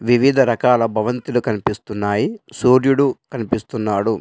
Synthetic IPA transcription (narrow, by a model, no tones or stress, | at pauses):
ʋiʋid̪ʱɐɾɐkaːlɐbʱɐʋɐnt̪ilukɐnipist̪unːaːjisuːɾjuɽukɐnipist̪unːaːɽu